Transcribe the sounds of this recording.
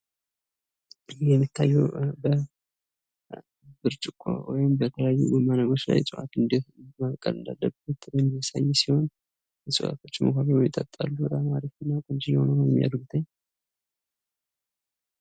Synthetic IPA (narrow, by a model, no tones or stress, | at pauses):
jɛmːit̪ʰːajːɛbə | bɨɾt͡ʃʼɪkʷʼːo̰wɔjɪmbət̪ʰələjajːṵɡumːanəɡo̞t͡ʃla̰jsʼɨʔa̰t̪ɨnd̪imakʼə̰lɨnd̪a̰lːəbut̪bəmːijasajɛsiho̞n | jɛsʼɨ̰ʔa̰t̪ʰo̞t͡ʃːmokʰaβəɾojɪt̪ʼət̪ʼːa̰lːut̪amaɾifɨnːakʼɨnt͡ʃijɛho̞̰nəwjɛmːija̰d̪ɡut̪ʰəɲː